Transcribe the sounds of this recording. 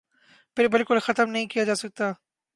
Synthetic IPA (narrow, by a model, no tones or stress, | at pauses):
pʰɪɾbɪlkʊlxɐt̪əmnɐɦĩkijad͡ʒaːsɐk̚t̪a